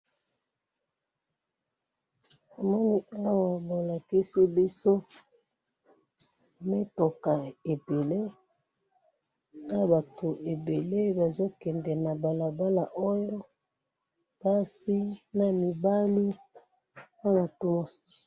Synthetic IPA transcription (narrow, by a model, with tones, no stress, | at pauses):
a˨mɔ˦ni˦a˦wa˨bo˨la˨ki˦si˦bi˦so˦˨ | me˦to˨ka˨e˨be˨le˦ | a˦˨ba˨tʰo˨ʔe˨be˨le˦ba˨zo˦kɛ˨ndɛ˨na˨ba˨la˨ba˦la˨ʔo˦jo˦ | pa˦si˦na˨mi˨ba˦li˦ | a˦na˨to˦mo˨su̥˦su̥˨